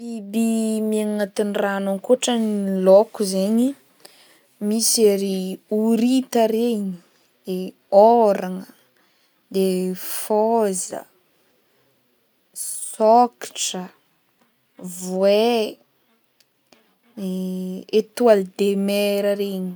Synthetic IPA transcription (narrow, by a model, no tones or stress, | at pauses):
ibimiaŋat̪inranaŋkuʈ͡ʂənilokuzeɲi | miseɾiuɾit̪əɾeɲi | d̪̥e | oɾaŋə | d̪efozə̰ | soki̥ʈ͡ʂə | vwe | et̪uald̪emeɾəɾeɲi̥